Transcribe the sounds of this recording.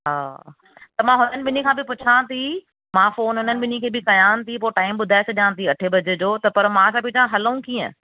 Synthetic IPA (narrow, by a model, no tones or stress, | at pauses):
ɦaː | t̪ɐmãːɦʊnənɪ̆ɓɪnikʰãːbɪpʊt͡ɕʰãːt̪ʰi | mãfoːnɦʊnənɪ̆ɓɪnikʰeːbɪkɐjãːnt̪ʰipoːʈaːɪmɓʊd̪ʱaːesʰɐɗijãːt̪ʰiɐʈʰebɐd͡ʑed͡ʑoːt̪ɐpɐɾmãːsapɪd͡ʑʰãɦɐləũkiːə̰̃